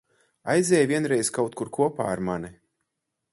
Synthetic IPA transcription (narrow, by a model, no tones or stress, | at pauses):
ajzʲɛːjvʲiɛnɾɛjskawt̪̚kuɾkuɔpa̰ːaɾmani